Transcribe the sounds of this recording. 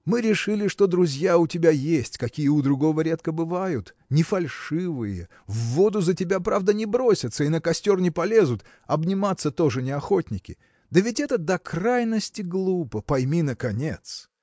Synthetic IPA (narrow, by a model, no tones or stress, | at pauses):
mɨɾʲɪʂɨlʲɪʂt̪o̞d̪ɾʊzʲjaʊtʲɪbʲajesʲtʲkɐkʲijəʊd̪ɾʊɡo̞vəɾʲe̞t̪kəbɨvajʊt̪ | nʲɪfɐlʲʂɨvɨjə | vːo̞d̪ʊzətʲɪbʲapɾavd̪ənʲɪbɾosʲət̪səinəkɐsʲtʲo̞rnʲɪpɐlʲe̞zʊt̪ | ɐbnʲɪmat̪sːət̪o̞ʐɨnʲɪɐxo̞tʲnʲɪkʲɪ̰ | d̪əvʲɪtʲɛt̪əd̪ɐkɾajnəsʲtʲɪɡlˠupəpɐjmʲinəkɐnʲe̞t̪s